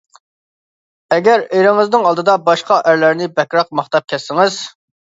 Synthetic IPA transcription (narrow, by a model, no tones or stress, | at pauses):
ɛɡʲæɾeɾɪŋɨznɪŋɑlˠd̪ɨd̪ɑbɑʃqɑʔæɾlæɾnɪbɛkʲɾɑq̚mɑχt̪ɑp̚kʲʰɛsːɪŋɪz